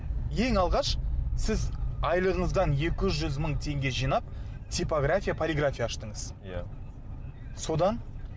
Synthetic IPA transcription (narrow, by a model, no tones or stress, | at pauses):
je̞ŋɑlˠʁɑʃsɪzɑjlˠəʁəɴəzd̪ɑnje̞kʲɪʒʏzməɴt̪ʰe̞ŋɡʲe̞ʒijnɑp̚ | t̪ʰʲijpoɡrafʲijapʰolʲiɡrafʲijaːʃt̪əɴəz | so̞d̪ɑn